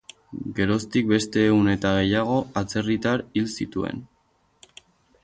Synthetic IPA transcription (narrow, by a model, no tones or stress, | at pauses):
ɡe̞ɾo̞st̪ik̚be̞st̪e̞ːɣune̞t̪aɣ̞e̞jaɣ̞o̞at͡se̞rit̪aɾilsit̪ue̞̰n